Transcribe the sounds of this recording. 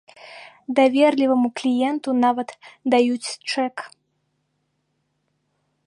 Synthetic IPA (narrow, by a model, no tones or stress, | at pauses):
d̪avʲɛrlʲivɐmuklʲijɛnt̪unavɐt̪d̪ajut͡sʲt͡ʂɛk